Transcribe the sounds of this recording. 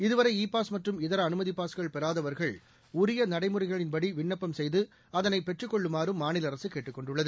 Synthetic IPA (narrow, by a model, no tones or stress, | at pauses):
ɪðɯʋɐɾɐɪiːpːaːsmɐʈrɯmɪðɐɾɐːnɯmɐðipaːskɐɭpɛɾaːðɐʋɐɾɣɐɭ | ʊɾɪjɐnɐɽɐɪmɯɾɐɪɣɐɭɪnpɐɽiʋɪɳːɐpːɐmsɛjðɯ | ɐðɐnɐɪpɛʈrɯkːɔɭːɯmaːɾɯmːaːnɪlɐɾɐsɯkeːʈːɯkːɔɳɖɯɭːɐðɯ